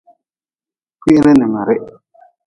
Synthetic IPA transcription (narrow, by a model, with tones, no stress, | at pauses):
kʷi˦ɾɪ˦nɪ˨ma˨ɾɪ˦ʔ